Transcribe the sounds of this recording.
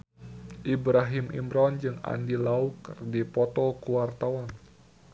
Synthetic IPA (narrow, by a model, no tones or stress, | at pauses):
ʔibɾaɦimḭmɾɔnd͡ʒɨŋa̰ndilaukɨrdipɔt̪ɔlkuwart̪awan